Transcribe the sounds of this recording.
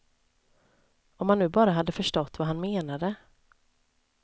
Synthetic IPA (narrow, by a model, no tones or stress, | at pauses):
ɔmhannʉ̟ːbɑːɾaɦad̪ːəfœʂʈɔt̪ːvaɦanmeːnad̪ə